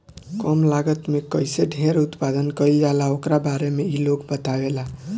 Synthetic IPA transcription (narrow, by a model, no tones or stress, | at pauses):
kɔmlaɡət̪mekəjseɖʱeɾut̪pad̪ənkəjld͡ʒalaokɾabaɾemeilokbət̪abela